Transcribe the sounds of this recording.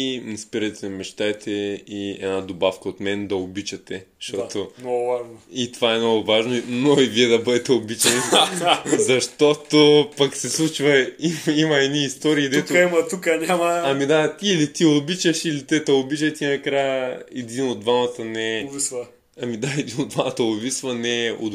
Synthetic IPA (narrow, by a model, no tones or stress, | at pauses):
nspiɾɐt̪ɛmɛʃt̪ajt̪ʰɛiɛ̰nad̪obafkɐot̪mɛnd̪ɐobit͡ʃɐt̪ɛʃt̪ɔt̪onɔɡʊvaʒnoit̪ovaɛmnɔɡʊvaʒnoinoiviɛd̪ɐbɤd̪ɛt̪ɛobit͡ʃɛn | zɐʃt̪ot̪opɐksɛslˠut͡ʃvɐimimɐɛniːst̪ɔɾiːd̪ɛt̪oimɐt̪ukənʲamɐɐmid̪aːlit̪iobit͡ʃɐʃilit̪ɛt̪ɛobit͡ʃɐt̪inɐkɾajəɛd̪inod̪vamɐt̪ənɛvis | ɐmid̪aɛd̪inod̪vamɐt̪əovisvɐnɛo̰